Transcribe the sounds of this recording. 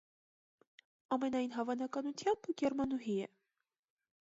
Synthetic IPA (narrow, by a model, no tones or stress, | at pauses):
ɑmɛnɑjin̪ɦɑvɑnɑkɑnut̪ʰjɑmb̥ɡɛɾmɑnuɦiɛ̰